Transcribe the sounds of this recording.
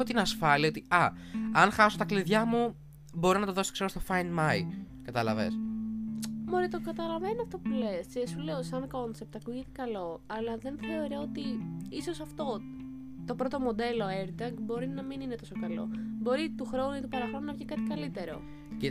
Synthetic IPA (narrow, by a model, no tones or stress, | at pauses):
ot̪inɐsfɐliɐot̪iɐ | ɐnxɐsot̪ɐkliðʝɐmu | bo̞ɾinɐt̪oðo̞so̥kseɾost̪o̞fɐjnmɐi | kɐt̪ɐlɐ̰vḛs | moɾit̪okɐt̪ɐlɐvenoɐft̪opule̞sisule̞osɐŋko̞nsep̚t̪ɐkuʝet̪e̥kɐlo̞ɐlɐðe̞nθe̞o̞ɾoot̪iiso̞sɐft̪o̞ | t̪o̞pɾo̞t̪o̞mo̞d̪e̞lo̞eɾd̪ɐŋɡbo̞ɾinɐminine̞t̪o̞sokɐlo̞̰bo̞ɾit̪uxɾo̞nuit̪u̥pɐɾɐxɾo̞nunɐvʝikɐt̪ikɐlit̪e̞ɾo̞̰ | ci